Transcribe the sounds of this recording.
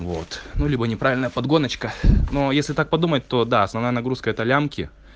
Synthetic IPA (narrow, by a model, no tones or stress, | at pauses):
vo̞̰t̪nulʲibənʲɪpɾavʲɪlʲnəjəpɐd̪ɡo̞nət͡ɕkəno̞jesʲlʲɪt̪ak̚pɐd̪umət̪ʲt̪ːo̞d̪aɐsnɐvnajənɐɡɾuskəɛt̪əlʲamkʲɪ̰